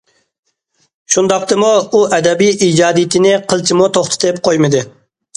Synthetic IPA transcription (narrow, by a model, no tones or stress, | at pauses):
ʃund̪ɑq̚t̪ɨmuːʔɛd̪ɛbijid͡ʒɑːd̪ijɪt̪ʰɪnɪqʰəlˠt͡ʃʰimut̪ʰoχt̪ʰɨ̥t̪ep̚qʰojmɨd̪ɪ